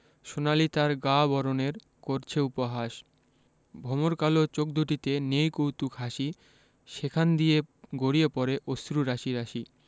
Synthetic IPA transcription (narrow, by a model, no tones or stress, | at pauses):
ʃonalit̪aɾɡabɔɾoneɾ | koɾt͡ɕʰeupoɦaʃ | bʱɔmoɾkalot͡ɕok̚d̪ʱuʈit̪enejkowt̪ukɦaʃi | ʃekʰand̪ieɡoɽiepɔɾeʔost̪ɾuɾaʃiɾaʃi